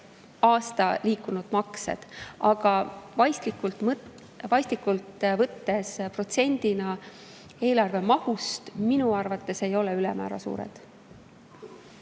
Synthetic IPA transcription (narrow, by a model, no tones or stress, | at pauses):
ɑːst̪ɑliːkːˑunud̪̥mɑkse̞̰d̪̥ɑɡ̥ɑvɑjst̪likult̪m | vɑjst̪likːult̪vɤt̪ːe̞spro̞t̪se̞nʲd̪̥inɑ | e̞ːlɑrve̞mɑhust̪minuɑrvɑt̪ːe̞se̞jo̞le̞ylɛmæ̰ːɾɑ̰sṵːɾḛd̪̥